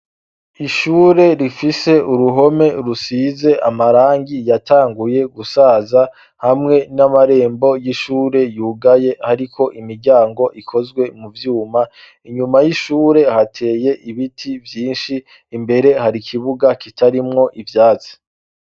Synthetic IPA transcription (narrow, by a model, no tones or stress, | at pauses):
iʃuːɾe̞ɾifise̞uɾuɦo̞me̞ɾusiːze̞ʔamaɾaːŋɡijataːŋɡuje̞ɡusaːza | hamŋe̞namaɾe̞ːmbo̞jiʃuːɾe̞juːɡaje̞haɾikʰo̞ʔimiɾɟaːŋɡo̞ʔikʰo̞zɡwe̞muvjuːma | iɲumajiʃuːɾe̞hatʰe̞ːje̞ʔiβitʰivjiːnʃiː | mbe̞ɾe̞haɾikʰiβuɡakitʰaɾimŋo̞ʔivjaːzi̥